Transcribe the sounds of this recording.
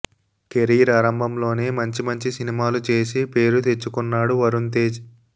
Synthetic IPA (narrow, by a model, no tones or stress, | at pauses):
keɾiːɾaːɾɐmbʱɐmlo̞ːne̞ːmɐɲt͡ʃimɐɲt͡ʃisinimaːlut͡ʃe̞ːsipe̞ːɾut̪e̞t͡ʃːukunːaːɽuʋɐɾunt̪eːd͡ʒ